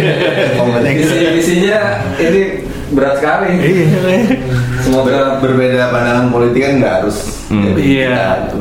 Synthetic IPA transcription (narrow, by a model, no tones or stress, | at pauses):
oməisiisiɲa | ini | bəɾat̪̚kalɪ | səmoɡabərbedapanaŋanpolit̪ɪkanŋɡaɦaɾʊs | d͡ʒadiiaa